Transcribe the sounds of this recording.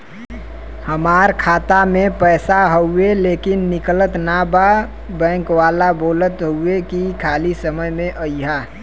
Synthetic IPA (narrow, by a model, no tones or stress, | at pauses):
həmaːɾkʰaːt̪amẽpɛːsaɦəʊeleːkɪnːɪklət̪naba | bɛ̃ːŋkwaːlaboːlət̪ɦuekikʰaːlisəməjmẽʔəjɦaː